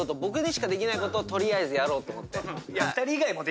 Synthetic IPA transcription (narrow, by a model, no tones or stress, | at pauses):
ot̪ːobo̞kɯ̟d̪eɕi̥kad̪e̞kʲinaiko̞t̪oːt̪o̞ɾʲiaezɨjaɾo̞ːt̪o̞ːmo̞t̪ːe̞jat̪ːaɾʲiːɡaimo̞d̪e